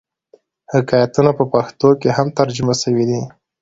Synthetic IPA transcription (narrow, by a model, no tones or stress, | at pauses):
hɪkɑjat̪unapəpaxt̪okehamt̪aɾd͡ʒʊmasəwid̪i